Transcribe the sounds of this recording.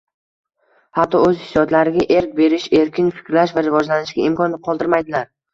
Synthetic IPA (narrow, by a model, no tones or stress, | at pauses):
hat̪ʰːɒɵzhɪsjɒt̪laɾɪɡʲaʔe̞ɾk̚ʲbe̞ɾɪʃe̞ɾkʲʰɪnfɪ̥kʲɾlaʃvaɾɪvɒd͡ʒlanɪʃɡʲaɪmkʰɒnlɪqʰɒlˠd̪ɪɾmajd̪ɪlaɾ